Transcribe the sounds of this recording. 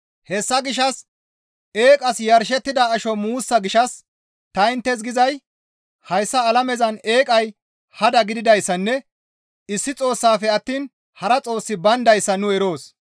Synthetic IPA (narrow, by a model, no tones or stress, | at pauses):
hɛsːɐɡɪʃ̬ɐs | e̞ːkʼɐsjɐɾʃ̬ɛt̪ːɪd̪ɐːʃɔmuːsːɐɡɪʃɐs | t̪ɐɪnt̪ːɛs̬ɡɪzɐj | hɐjsːɐːlɐmɛzɐne̞ːkʼɐj | hɐd̪ɐɡɪd̪ɪd̪ɐjsːɐnːɛ | ɪsːɪt͡sʼo̞ːsːaːfɛɐt̪ːiːn | hɐɾɐt͡sʼo̞ːsːɪbɐnd̪ɐjsːɐnʊɛɾo̞ːs